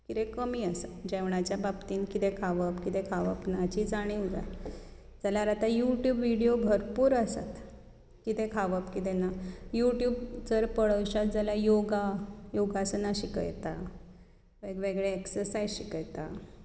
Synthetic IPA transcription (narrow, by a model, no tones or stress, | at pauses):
kit̪ekəmiːəsat̪d͡ʑeʋɳ̃at͡ɕjababt̪iːnkit̪ekʰaʋəpkit̪ekʰaʋə̰pnat͡ɕid͡zaɽ̃iwɡa̰j | d͡zaljaɾat̪ajuʈjuːbʋiɽijobʱəɾpuːɾasa̰t̪ | kit̪ekʰaʋəpkit̪enajuʈjuːbt͡səɾpəɽəwɕat̪̚d͡zaljajoɡajoɡasənaɕikə̰jt̪a | ʋeɡʋeɡɭeːksəɾsajzɕikəjt̪a